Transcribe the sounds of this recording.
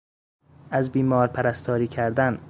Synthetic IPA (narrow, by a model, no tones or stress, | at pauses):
æzbiːmɒːɾpʰæɾæst̪ʰɒːɾiːcʰæɾd̪æn